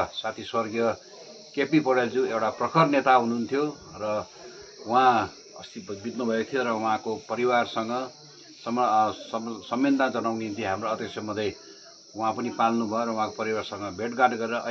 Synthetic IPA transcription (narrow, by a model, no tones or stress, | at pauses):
sat̪ʰiswʌrɡjʌ | kepipʌɽeld͡zũewʈaprʌkʰʌrnet̪aɦununt̪ʰjo | rʌ | ũɦã | ʌ̰st̪ibʱit̪nubʱʌjot̪ʰijoɾʌwuɦãkopʌɾiwarsʌŋɡʌ | sʌmsʌsʌmːind̪ad͡zʌnawniɦint̪iɦamroʌd̪jʌksʰjʌmʌd̪ʱʌj | uɦãpʌnipalnubʱʌjoɾʌw̃ɦãkopʌɾiwarsʌŋɡʌbʱeʈɡaʈɡʌɾeɾʌʔʌ